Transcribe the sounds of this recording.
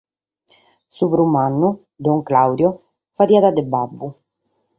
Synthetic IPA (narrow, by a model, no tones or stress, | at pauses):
supɾumanːu | d̪ɔŋklawd̪jɔ | faɾiːad̪ad̪ɛbabːu